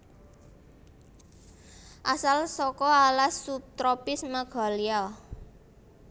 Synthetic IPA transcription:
ʔasalsɔkɔalasup̚t̪ɾɔpɪsməɡ̥a̤lia

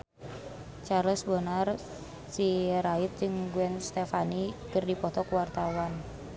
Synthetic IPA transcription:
t͡ʃarləsbənar | siɾait̪̚d͡ʒɨŋɡuɛnst̪efanikɨrdipɔt̪ɔkuwart̪awan

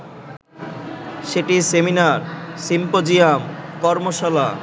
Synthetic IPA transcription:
ʃeʈiseminaɾsimpod͡ʑiamkɔɾmoʃala

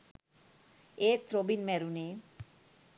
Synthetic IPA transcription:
et̪ɾobinmɛɾune

